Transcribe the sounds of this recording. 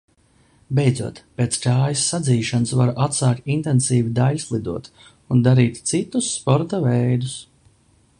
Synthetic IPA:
bɛjd̪zuɔt̪peːt̪skaːjisːad̪ziːʃansvaɾʔat̪saːk̚t̪int̪ɛnsiːvid̪aʎʲslˠid̪uɔt̪ | und̪aɾiːt̪t̪sit̪usːpɔɾt̪avɛjd̪us

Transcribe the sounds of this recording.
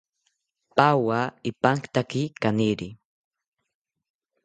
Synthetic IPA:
pawaipaŋkt̪akikaniɾi

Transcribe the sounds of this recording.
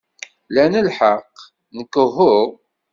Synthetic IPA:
lænəlħəqː | nəkːəɦʊʁ

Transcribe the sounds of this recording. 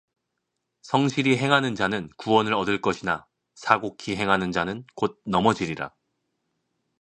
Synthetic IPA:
sʰʌŋɕʰiɾiɦe̞ŋɦanɯnd͡ʑanɯnkuwʌnɯɾʌdɯɭk͈ʌɕʰina | sʰaɡokʰiɦe̞ŋɦanɯnd͡ʑanɯnkod̚nʌmʌd͡ʑiɾiɾa̰

